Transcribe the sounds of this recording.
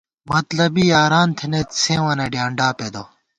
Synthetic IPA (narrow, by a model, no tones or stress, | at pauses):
mɐt̪lɐbiaːɾaːnt̪ʰenet̪sẽːwɐnɐɖjaːɳɖaːped̪o